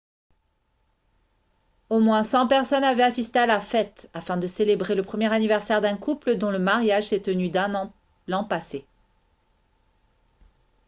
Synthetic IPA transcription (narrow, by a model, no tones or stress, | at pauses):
omwɛ̃sɑ̃pɛʁsɔnavɛasist̪ealafɛt̪afɛ̃d̪əselebʁeləpχəmjɛʁanivɛʁsɛʁd̪ɛ̃kupləd̪ɔ̃ləmaʁjaʒsɛt̪ənyd̪ɛ̃ | lɑ̃pase